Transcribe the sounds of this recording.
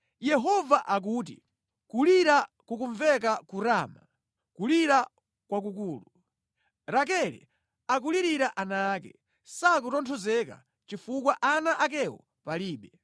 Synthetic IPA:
jɛɦɔvaʔak̬uːt̬ḭ | kuliɾa | kukuɱvɛk̬akuɾaːma | kuliɾa | kwak̬ukuːlu | ɾak̬ɛɾɛ̰ | ak̬uliɾiɾaʔanaːkɛ̰ | sakutɔntʰɔzɛka̰ | t͡ʃifuk̬waʔanaʔakɛwɔ̰ | paliːɓɛ

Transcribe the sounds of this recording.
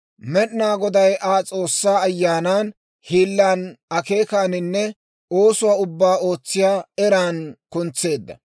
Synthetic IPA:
mɛɗnaːɡɔd̪ɐjʔaːt͡sʼo̞ːsːaːɐjːaːnaːn | hiːlːaːnɐke̞ːkaːnɪnːɛ | o̞ːsʊwaːʊbːaːo̞ːt͡sːɪjaːɛɾaːnkʊnt͡sːe̞ːd̪ːɐ̰

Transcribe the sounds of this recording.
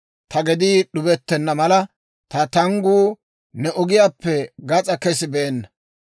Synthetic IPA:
t̪ɐɡɛd̪iːɗʊbɛt̪ːɛnːɐmɐlɐ | t̪ɐt̪ɐŋɡuː | nɛʔɔɡɪjaːpːɛɡɐt͡sʼɐkɛsɪbɛːnːɐ

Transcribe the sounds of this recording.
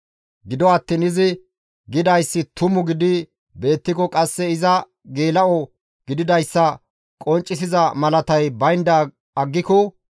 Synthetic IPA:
ɡɪd̪ɔɐt̪ːiːnɪzɪ | ɡɪd̪ɐjsːɪt̪ʊmʊɡɪd̪ɪ | be̞ːt̪ːɪkɔkʼɐsːɛɪzɐ | ɡeːlɐɔ | ɡ̥ɪd̪ɪd̪ɐjsːɐ | kʼɔnt͡ʃʼːɪs̬ɪzɐmɐlɐt̪ɐjbɐjnd̪ɐ | ɐɡːɪkɔ

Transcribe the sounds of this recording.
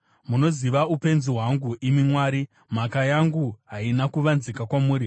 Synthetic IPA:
muno̞ziʋaupe̞nziɦwaŋɡuʔimimwaːɾi | m̤akajaŋɡuɦainakuʋanzikakwamuːɾi

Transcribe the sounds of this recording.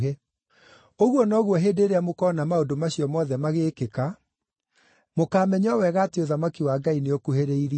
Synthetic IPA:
e | oɣwɔnɔɣwɔɦedeɾeamokɔnamaodomaɕiɔmɔðɛmaɣeːkeka | mokaːmɛɲɔwɛɣaːteoðamakiwaːɡaineokuheɾeiɾi

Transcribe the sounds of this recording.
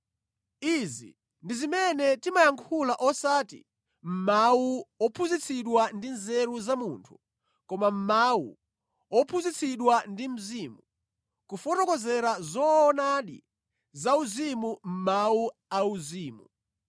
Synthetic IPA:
izḭ | ndizimɛnɛtimajaŋkʰulaʔɔsaːtḭ | m̩mauɔpʰuzit͡sʰiɗwandinzɛɾuzamuːntʰu̥ | kɔmam̩mawṵ | ɔpʰuzit͡sʰiɗwandim̩zimu | kufɔtɔkɔzɛɾazɔːnaɗḭ | zauzimum̩mauauziːmu

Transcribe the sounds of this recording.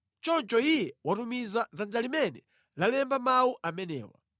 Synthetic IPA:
t͡ʃɔnt͡ʃɔijɛwatumizazand͡ʒalimɛnɛ | lalɛmbamawuʔamɛnɛ̰ːwa̰

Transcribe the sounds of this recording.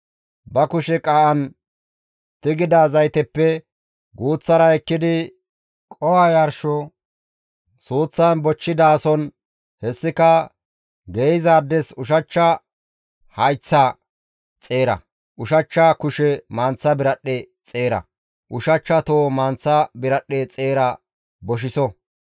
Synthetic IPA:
bɐkʊʃɛkʼɐʔɐn | t̪ɪɡɪd̪aːzɐjt̪ɛpːɛ | ɡuːt͡sːɐɾɐɛkːɪd̪ɪ | kʼɔwajɐɾʃɔ | suːt͡sːɐnbɔt͡ʃːɪd̪aːsɔn | hɛsːɪkɐ | ɡejɪzaːd̪ːɛsʊʃ̬ɐt͡ʃːɐ | hɐjt͡sːɐ | t͡sʼeːɾɐ̰ | ʔʊʃɐt͡ʃːɐkʊʃɛmaːnt͡sːɐbɪɾɐɗːɛ | t͡sʼe̞ːɾɐ̰ | ʔʊʃɐt͡ʃːɐt̪oːmɐnt͡sːɐbɪɾɐɗːet͡sʼeːɾɐ | bɔʃɪsɔ

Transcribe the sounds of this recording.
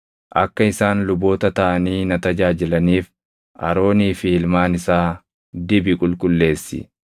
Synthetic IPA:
ʔɐkːɐɪsaːnlʊbo̞ːt̪ɐt̪ɐʔɐniːnɐt̪ɐd͡ʒaːd͡ʒɪlɐniːf | ʔɐ̰ɾo̞ːniːfiɪlmaːnɪsaː | d̪ɪbɪkʼʊlkʼʊlːe̞ːsːɪ̰

